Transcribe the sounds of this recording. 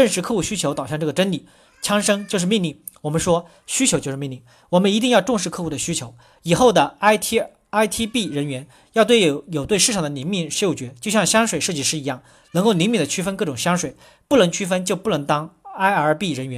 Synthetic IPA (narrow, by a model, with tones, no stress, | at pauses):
ʈ͡ʂə˥˧nʂɻ̩˥˧kʰɤ˥˧xu˥˩ɕy˥t͡ɕʰjo˧˥ʊt̪ɑ˨˩ʊɕjɑ˥˧ŋʈ͡ʂɤ˥˩ɡə˩ʈ͡ʂə˥nli˨˩˦ | t͡ɕʰjɑ˥ŋʂɤ˥ŋt͡ɕjo˥˧ʊʂ̬ɻ̩˥˧mi˥˧ŋli˥˩ŋ | wɔ˨˩mə˧˦nʂwɔ˥ | ɕy˥t͡ɕʰjo˧˥t͡ɕjʊɻ̩˥˧mi˥˧nli˥˩ŋ | wɔ˨˩mə˦ni˧˥t̪̬i˥˧ŋjɑ˥˧ʊʈ͡ʂʊ˥˧ŋʂɻ̩˥˧kʰɤ˥˧xu˥˩d̪ə˩ɕy˥t͡ɕʰjo˧˥ʊ | i˨˩xo˥˩ʊd̪ə˩a˥ɪt̪ʰ | a˥ɪt̪ʰi˥pi˥˩ɻə˧˥nɥɛ˧˥n | jɑ˥˧ʊt̪we˥˩ɪjo˨˩ʊt̪we˥˧ɪʂɻ̩ʰ˥˩ɑ˨˩ŋd̪ə˦ni˧˥ŋmi˥˩ŋʂjo˥˩ʊt͡ɕɥɛ˧˥t͡ɕjʊɕjɑ˥˩ŋɕjɑ˥ŋʂwe˨˩ɪʂɤ˥˧t͡ɕi˥˩ʂɻ̩˥˩i˧˥jɑ˥˩ŋ | nə˧˥ŋko˥˩ʊni˧˥nmi˥˩d̪ə˩t͡ɕʰy˥fə˥nkɤ˥˩ʈ͡ʂʊ˨˩ŋɕjɑ˥ŋʂwe˨˩ɪ | pu˥˩nɤ˧˥ŋt͡ɕʰy˥fə˥nt͡ɕjo˥˧ʊpu˥˩nɤ˧˥ŋt̪ɑ˥ŋa˥ɪə˞˧˥pi˥˩ɻə˧˥nɥɛ˧˥n